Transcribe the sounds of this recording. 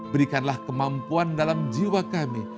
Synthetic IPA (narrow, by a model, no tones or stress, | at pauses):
bəɾikanlahkəmampuandalamd͡ʒiwakami